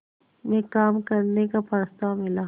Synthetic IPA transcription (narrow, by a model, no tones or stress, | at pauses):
mɛ̃kaːmkɐɾnekapɐɾst̪amɪlaː